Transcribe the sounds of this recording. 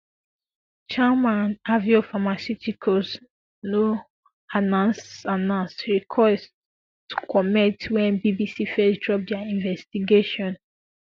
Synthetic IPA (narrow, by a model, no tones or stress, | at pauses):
t͡ʃamãnaviofamasutʰikʰos | no | anãnsanãnsɹikʰwɛs | tːu̥kʰɔmɛtwɛ̃nbibisifɛsdɹɔp̚dɛaĩɱvɛstiɡeʃɔ̃n